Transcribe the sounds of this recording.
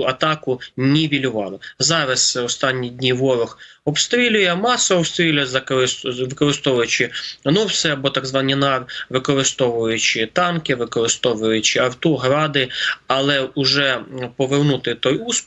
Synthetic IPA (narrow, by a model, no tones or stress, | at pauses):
uɐt̪ɑkʊnʲiʋʲilʲʊʋɑlˠɔzɑɾɐsɔst̪ɑnʲːidʲnʲiʋɔɾʊx | ɔpst̪ɾʲilʲʊjɛmɑsɔʋɐɔpst̪ɾʲilʲɐzɐsʋɪkɔɾɪst̪ɔʋʊjʊt͡ʃɪnuwsɛɐbɔt̪ɑɡzʋɑnʲːinɑrʋɪkɔɾɪst̪ɔʋʊjʊt͡ʃɪt̪ɑnkɪʋɪkɔɾɪst̪ɔʋʊjʊt͡ʃɪɐwt̪ɔɦɾɑd̪ɪɐlˠɛʊʒɛpɔʋernut̪ɪt̪ɔjus